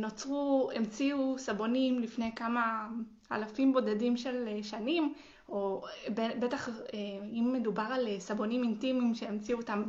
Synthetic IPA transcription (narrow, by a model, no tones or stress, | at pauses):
no̞t͡sʁuemt͡siusabo̞nimlifnejkama | a̰lafimbo̞dedimʃe̞leʃanim | o̞bebetaχeimːe̞dubaʁalsabo̞nimintimimʃe̞ːmt͡siuotam